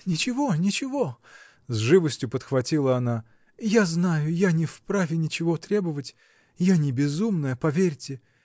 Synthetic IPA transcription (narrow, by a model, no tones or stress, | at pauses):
nʲɪt͡ɕɪvo̞nʲɪt͡ɕɪvo̞ | zʐɨvəsʲtʲjʊpət̪xvɐtʲilˠəɐna | jaznajʊjanʲɪfpɾavʲɪnʲɪt͡ɕɪvo̞t̪ɾʲe̞bəvətʲ | janʲɪbʲɪzumnəjəpɐvʲerʲtʲɪ